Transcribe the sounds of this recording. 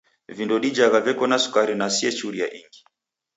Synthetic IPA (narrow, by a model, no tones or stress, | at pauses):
vindɔɗid͡ʒaɣavɛkɔnasu̥kaɾinasiɛt͡ʃuɾijaʔiŋɡi